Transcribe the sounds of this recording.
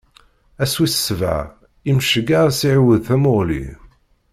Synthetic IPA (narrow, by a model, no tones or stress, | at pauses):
æswisə̥sva̰ʕ | imʃəɡaɾˤsiʕwəðθæmoʁlḭ